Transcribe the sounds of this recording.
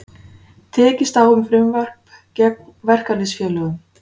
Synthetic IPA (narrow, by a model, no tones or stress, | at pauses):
t̪ʰɛːcɪst̪aːwʏmfɾɪmvɛr̥p | cɛk̚nvɛr̥kalɪsfjɛːlœːɣʏm